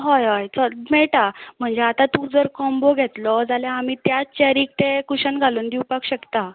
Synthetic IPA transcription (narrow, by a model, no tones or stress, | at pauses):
ɦɔjɦɔjt͡səmeɭʈam̤əɳd͡zeat̪at̪ud͡zəɾkɔmboɡʱet̪lɔd͡zaljaːmiːt̪jat͡ɕaɾiːk̚t̪ekuɕənɡʱaluːnd̪iwpakɕəkt̪a